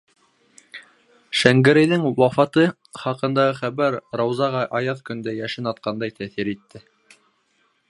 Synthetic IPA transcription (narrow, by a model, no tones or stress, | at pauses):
ʃæŋɡɘ̆ɾɘ̆jðɘŋwɑfɑt̪ɤ | χɑqɤ̆nd̪ɑʁɤχæβæɾɾɑwzɑʁɑʔɑjɑðkɵ̆nd̪æjæʃɘnɑt̪̚qɑnd̪ɑjt̪æθiɾit̪ːɘ